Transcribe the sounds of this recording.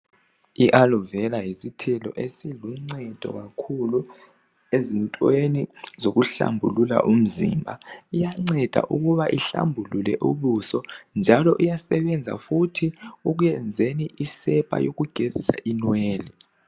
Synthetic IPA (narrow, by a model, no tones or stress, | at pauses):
iʔalɔvɛlajisitʰɛlɔ̰ʔesiluŋ͡ǀɛd̥ʱɔ̰ɣakʰulu | ezintʼwenizoɣuɬa̰mbʱṵlula̰ʔum̩zḭmbʱaijaŋ͡ǀɛd̥ʱa̰ʔuɣuβaʔiɬa̰mbʱululɛ̰ʔuβusɔnd͡ʒʱalɔʔujasɛβɛnd͡zʱa̰futʰiuɣ̬ujɛnd͡zʱeniʔisɛpʼa̰jo̰ɣuɡ̥ʱezisa̰ʔinweːli